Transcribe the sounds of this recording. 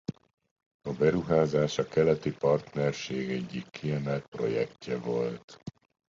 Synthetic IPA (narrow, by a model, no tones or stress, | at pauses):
ɒbɛɾuɦaːzaːʃɒkɛlɛt̪ipɒrt̪nɛrʃeːɡɛɟːikʰːiɛmɛlt̪̚pro̞̰jɛkcːɛvo̞̰lt̪